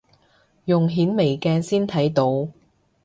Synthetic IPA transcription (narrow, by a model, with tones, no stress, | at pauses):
jʊ˨˩ŋɦiː˨˥nme˨˩jkɛː˧nsiː˥nt̪ʰɐ˨˥jt̪o˧w